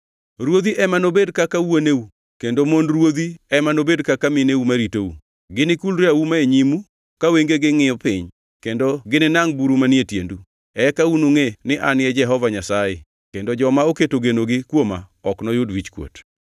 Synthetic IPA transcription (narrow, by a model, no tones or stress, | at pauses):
rwod̪iʔɛmanobedkakawoneu | kendomondrwod̪iɛmanobedkakamɪneumaɾitoṵ | ɡɪnɪkulɾawumaeɲimu | kaweŋɡeɡɪŋɪɔpɪɲ | kendoɡɪnɪnaŋbuɾumanɪetjḛndu | ɛkaunuŋenɪʔanɪɛd͡ʒɛɦɔvaɲasajḛ | kendod͡ʒɔmaoketoɡenoɡɪkwoma̰ɔknɔjʊdwit͡ʃkwo̰t